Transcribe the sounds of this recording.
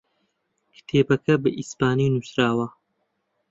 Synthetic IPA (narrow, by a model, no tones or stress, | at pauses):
kʰt̪ʰeːbɐkʰɐbɐʔispaːniwnusɾaːwɐ